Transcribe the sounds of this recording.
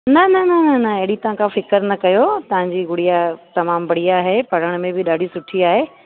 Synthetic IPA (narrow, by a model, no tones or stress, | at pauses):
nɐnɐnɐnɐnɐɐɦɪɽit̪ɐʋ̤ãkʰãfɪkəɾnɐkɐjot̪ɐʋ̤ãɲd͡ʑiːɡʊɽijat̪ɐmaːmbɐɽiaːɦepɐɽ̤əɽ̃mẽbɪɗaːɖʱisʊʈʰiaːɦeː